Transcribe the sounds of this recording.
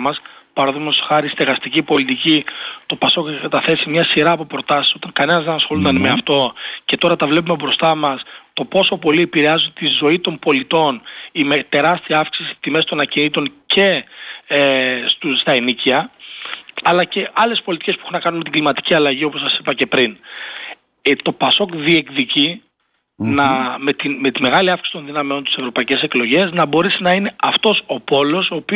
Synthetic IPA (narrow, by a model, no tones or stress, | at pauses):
mɐs | pɐɾoðimest̪o̥xɐɾist̪eɣɐst̪icipo̞lit̪icit̪o̞pɐso̞çkɐt̪ɐθe̞simɲɐsiɾɐːpo̞pɾo̞t̪ɐsi̥so̞t̪ɐŋkɐne̞nɐzðenɐsxolund̪ɐnme̞ɐft̪o̞ce̞t̪o̞ɾɐt̪ɐvle̞p̬ume̞bɾo̞st̪ɐmɐst̪o̞po̞so̞po̞liepiɾeɐzud̪et̪izo̞it̪o̞mbo̞lit̪o̞nimet̪e̞ɾɐst̪iɐɐfksisi̥t̪imesit̪o̞nɐcinit̪o̞nce̞est̪ust̪ɐeniciɐ | ɐlɐce̞ʔɐle̞spo̞lit̪i̥cespuexunɐkɐnunmet̪iŋɡlimɐt̪i̥ciɐlɐʝio̞posɐsi̥pɐce̞pɾin | t̪o̞pɐso̞kðie̞kðici | nɐmet̪ime̞t̪ime̞ɣɐliɐfksi̥sit̪o̞nðinɐmeo̞nt̪i̥se̞vɾo̞pɐice̞se̞klo̞ʝe̞znɐbo̞ɾesinɐine̞ɐft̪o̞so̞po̞lo̞so̞ːpi